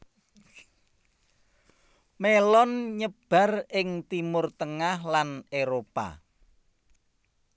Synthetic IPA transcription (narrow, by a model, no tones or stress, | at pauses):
melɔnɲəb̥a̤rɪŋt̪imʊrt̪əŋahlaneɾopa̰